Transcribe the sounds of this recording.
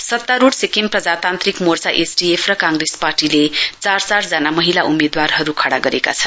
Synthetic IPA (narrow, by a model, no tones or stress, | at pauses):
sʌt̪ːaɾuɽsekimprʌd͡zat̪ant̪rikmort͡saʔesɖiepʰrʌkaŋɡresparʈilet͡sart͡saɾd͡zʌnamʌɦilaʔumed̪warɦʌɾukʰaɽaɡʌɾeka̰t͡sʰʌnn